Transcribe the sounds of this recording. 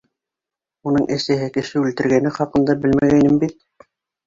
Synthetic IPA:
unɤɴʔɘ̆sɘ̆ɦɘkɘ̆ʃɘʉlt̪ɘ̆ɾɡænɘχɑqɤ̆nd̪ɑbɘlmæɣæjnɘmbit̪̚

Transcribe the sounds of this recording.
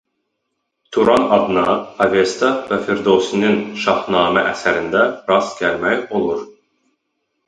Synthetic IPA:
t̪ʰuɾɑnɑd̪ɯnɑɑvest̪ʰɑvæfeɾd̪osininʃɑhnɑːmæʔæsæɾɪnd̪æɾɑskʲælmæjolˠuɾ

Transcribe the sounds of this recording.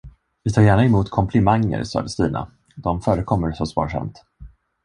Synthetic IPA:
vɪt̪ʰɑːɾjæːɳaɪmuːt̪kʰɔmpʰlɪmaŋːə̰ɾsɑ̰ːd̪əst̪iːna̰ | d̪ɔmfœːɾəkʰɔmːəɾsɔsvɑ̰ːʂa̰mt̪

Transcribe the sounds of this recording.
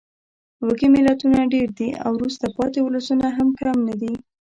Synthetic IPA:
wəkimɪlat̪unaɖeɾd̪ia̰wɾust̪apɑt̪ewʊləsunaɦamkɾamnad̪i

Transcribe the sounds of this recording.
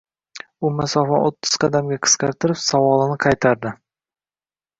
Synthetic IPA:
ʊmasɒfɒnot̪ʰːɪ̥z̥qʰɑd̪amɡʲaqʰɨ̥sqɑɾt̪ɪɾɪpsawɒlˠɪnɪqʰɑjt̪ʰaɾd̪ɪ

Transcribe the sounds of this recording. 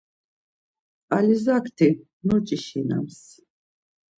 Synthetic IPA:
alizakʰt̪ʰi | nɔt͡ʃʼiʃina̰ms

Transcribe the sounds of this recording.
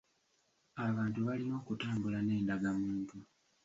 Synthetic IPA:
aβaːntuβalino̞ːkutaːmbulane̞ːndaɡamuːntu

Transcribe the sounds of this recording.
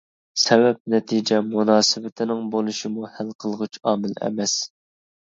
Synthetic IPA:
sɛvɛp̚nɛt̪ʰid͡ʒɛmunɑːsɪvɪt̪ʰɪnɪŋbolˠuʃimuhælqʰəlˠʁɨt͡ʃʰɑːmɪlɛ̰mɛs

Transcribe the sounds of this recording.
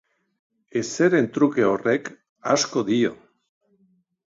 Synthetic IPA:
eseɾe̞nt̪ɾuke̞orek | asko̞ðio̰

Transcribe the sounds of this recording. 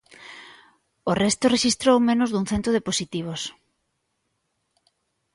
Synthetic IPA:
orɛst̪oreʃist̪ɾowmẽnozðuŋ̟θent̪oðeposit̪iβ̞os

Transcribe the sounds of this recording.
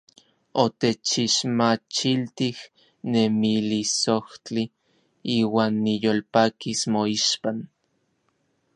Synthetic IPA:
ot̪et͡ʃiʃmat͡ʃilt̪ih | nemilisoht͡ɬi | iːwaːnːijolpaːkismoiʃpan

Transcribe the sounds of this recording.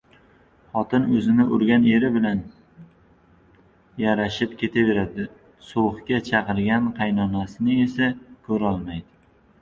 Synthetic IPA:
χɒt̪ɪnɵzɪnɪʔʊɾɡʲane̞ɾɪbɪlan | jaɾaʃɪp̚kʲʰe̞t̪ʰave̞ɾad̪ɪ | soχkʲat͡ʃʰɑqɨɾɡʲanqʰɑjnɒnasɪnɪe̞sakʰɵɾɒlˠmajd̪ɪ

